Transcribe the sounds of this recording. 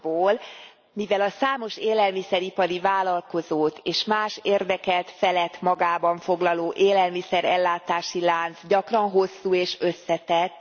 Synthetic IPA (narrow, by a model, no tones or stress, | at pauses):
boːl | mivɛlɒsaːmo̞ʃeːlɛlmisɛɾipɒɾivaːlɒlko̞zoːt̪eːʃmaːʃeːrd̪ɛkɛlt̪fɛlɛt̪mɒɡaːbɒɱfo̞ɡlɒloːʔeːlɛlmisɛɾɛlːaːt̪aːʃilaːnzɟɒkrɒnɦo̞sːuːeːʃø̞sːɛt̪ɛt̪ː